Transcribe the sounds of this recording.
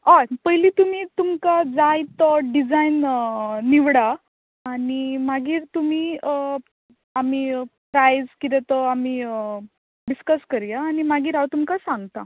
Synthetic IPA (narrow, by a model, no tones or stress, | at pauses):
apəjliːt̪um̤it̪umkad͡zajt̪ɔɖid͡zainː | iʋɽa | añimaɡiːɾt̪um̤iː | amiːpɾajd͡zkit̪ɛt̪ɔamiː | ɖiskəskəɾjaːñimaɡiːɾɦawt̪umkasãŋɡt̪a̰